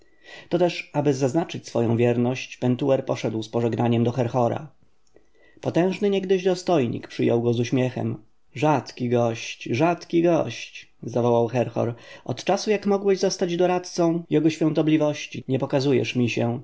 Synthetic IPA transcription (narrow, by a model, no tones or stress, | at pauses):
t̪ɔt̪ɛʂabɘzaznat͡ʂɘt͡ɕsfɔ̰jɔ̃w̃vʲjɛɾnɔɕt͡ɕpɛnt̪uɛɾpɔʂɛd̪wspɔʐɛɡnaɲɛmd̪ɔxɛɾxɔɾa̰ | pɔt̪ɛ̃w̃ʐnɘɲɛɡd̪ɘʑd̪ɔst̪ɔjɲḭkpʂɘjɔwɡɔzuɕmʲjɛxɛ̰m | ʐat̪kʲiɡɔɕt͡ɕʐat̪kʲiɡɔɕt͡ɕzavɔwawxɛɾxɔ̰ɾʔɔt̪t͡ʂasujakmɔɡwɛʑzɔst̪ad͡ʑd̪ɔɾat̪t̪sɔ̃w̃jɛɡɔɕfʲjɔ̃ñt̪ɔblʲivɔɕt͡ɕiɲɛpɔkazujɛ̰ʂmʲiɕɛ